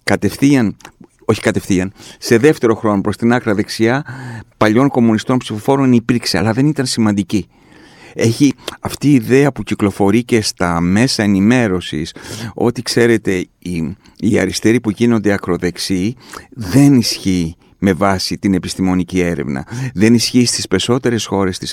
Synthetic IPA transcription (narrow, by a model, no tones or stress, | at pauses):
kɐt̪e̞fθiɐn | o̞çi̥kɐt̪e̞fθiɐnse̞ðe̞ft̪e̞ɾo̞xɾo̞no̞pɾo̞st̪inɐkɾɐðe̞ksiɐpɐʎo̞ŋko̞munist̪o̞npsifo̞fo̞ɾo̞nipiɾkse̞ɐ̰lɐðe̞nit̪ɐnsimɐnd̪ici | e̞çiɐft̪iːðe̞ɐpuciklo̞fo̞ɾice̞st̪ɐme̞sɐe̞nime̞ɾo̞sḭso̞̰t̪ikse̞ɾe̞t̪e̞ | i | iɐ̰ɾist̪e̞ɾipuʝino̞nd̪e̞ɐkɾo̞ðe̞ksiðe̞nisçi | me̞vɐsit̪ine̞pist̪imo̞nicie̞ɾe̞̰vnɐ̰ðe̞nisçist̪ispe̞so̞t̪e̞ɾe̞sxo̞ɾe̞st̪i̥s